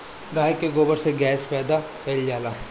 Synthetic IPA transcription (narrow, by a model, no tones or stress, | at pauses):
ɡaːjkeɡoːbəɾseɡɛːspɛːd̪a | pʰeːld͡ʒaːlaː